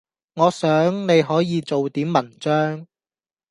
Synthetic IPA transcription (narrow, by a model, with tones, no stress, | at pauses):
ŋɔː˨˧sœː˨˥ŋne˨˧jɦɔː˨˥jiː˨˧t͡so˨wt̪iː˨˥mːɐ˨˩nt͡ʃœː˥ŋ